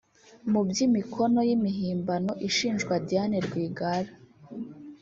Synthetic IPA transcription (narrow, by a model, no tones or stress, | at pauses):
mubɟimikʰo̞no̞jimiɦiːmbano̞ʔiʃiːnʒɡwadijaneɾɡwiːɡaɾa